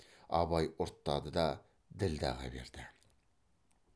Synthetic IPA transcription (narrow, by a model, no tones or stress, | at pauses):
ɑ̰βɑjʊɾt̪ːɑd̪əd̪ɑ | d̪ɪld̪æ̰ʁɑ̰bḛɾd̪̥ɪ